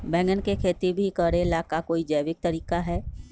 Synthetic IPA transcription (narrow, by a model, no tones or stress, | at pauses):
bɛ̃ːŋɡənkekʰeːt̪ibʱikəɾelaːkakoːid͡ʒəːʋɪk̚t̪ɐɾiːkaɦɛː